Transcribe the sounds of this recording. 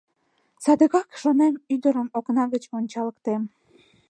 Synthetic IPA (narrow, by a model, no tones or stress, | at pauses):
sɑd̪əɣɑkʃonemyd̪əɾəmoknɑɣət͡ɕonʲt͡ɕɑləkt̪em